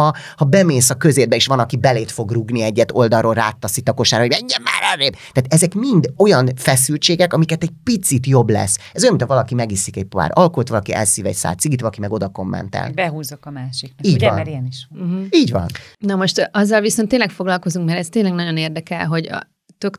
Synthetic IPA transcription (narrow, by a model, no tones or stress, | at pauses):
ɒ | hɒbɛmeːsɒkøzeːd̪bɛeːʃʋɒnɒkibɛleːt̪fo̞ɡruɡniɛɟːɛt̪o̞ld̪ɒrolra̰ːt̪ːɒsit̪ɒko̞ʃaːɾɒɦoɟmɛɲːɛmːa̰ːɾɛreːbt̪aːt̪ɛzɛkmind̪o̞jɒnfɛs̬ylt͡ʃeːɡɛkɒmikɛt̪ɛɟ̚pit̪sit̪jo̞blɛ̰sɛzojɒminʰɒvɒlɒkimɛɡisikɛɟ̚pa̰ːɾɒlkolt̪vɒlɒkiʔɛ̰lsiːvɛ̰csa̰ːlt̪siɡit̪vɒlɒkimɛɡo̞d̪ɒko̞mːɛ̰nt̪ɛ̰lbɛɦuːzokɒmaːʃikiːɟɒ̰nmɛɾeniʃɦiːɟvɒ̰nnɒmo̞ʃt̪ʔɒzːɒlvisont̪ːeːnlɛkfo̞ɡlɒlko̞zuŋkmɛɾɛst̪eːnlɛɡnɒɟo̞neːrd̪ɛkɛlɦo̞ɟɒ̰ | t̪øk